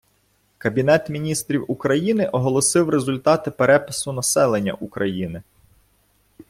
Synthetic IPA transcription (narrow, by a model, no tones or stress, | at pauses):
kɐbʲin̪ɛt̪mʲinʲist̪ɾʲiwukɾɐjinɪʔɔɦɔlˠɔsɪwrezʊlʲt̪ɑt̪ɪpeɾɛpɪsʊnɐsɛlˠenʲːɐ̰ʔukɾɐjinɪ